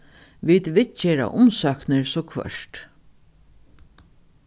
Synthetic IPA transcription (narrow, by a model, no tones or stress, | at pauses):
ʋiːt̪ʋɪt̪̚t͡ʃeːɾa̰ʔʊmsœknəɹsɔːkʰʋœ̰ʂʈ